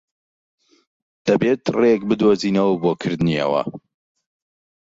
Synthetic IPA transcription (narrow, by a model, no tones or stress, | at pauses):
d̪̥ɐbeːt̪rekbɨd̪oːziːnɐwbokʰɨɾd̪niɐ̰wɐ̰